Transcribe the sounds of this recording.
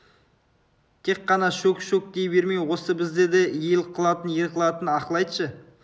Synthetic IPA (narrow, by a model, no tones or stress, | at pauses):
t̪ʰe̞kːɑnɑʃɵkʃɵk̚d̪e̞jbe̞ɾmejwo̞səbɪzd̪e̞d̪eelqʰːəlˠɑt̪ənjeɾq̪əlˠɑt̪ənɑqlˠɑjd̪əʃə